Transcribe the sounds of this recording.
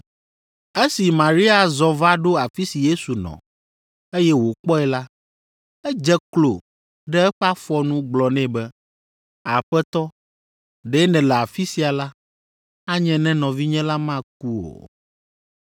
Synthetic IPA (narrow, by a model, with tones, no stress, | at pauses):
e˦si˨mã˨ɾi˦a˨zɔ˨va˦ɖo˦a˨fi˦si˨je˦su˨nɔ̰̃˨ | e˦jɛ˦wo˨k͡pɔ˦ɛ˨la˦ | ɛ˦d͡ʒɛ˦klo˨ | ɖɛ˦ɛ˦ɸa˦fɔ˦nũ˦ɡ͡blɔ˨nɛ̃˦bɛ˦ | a˨ɸɛ˦t̪ɔ˦ | ɖɛ˦nɛ̃˨lɛ˨a˨fi˦si˨a˨la˦ | a˦ɲɛ̃˨nɛ̃˦nɔ̃˨vi˦ɲɛ̃˦la˦mã˦k̚u˦o̰˨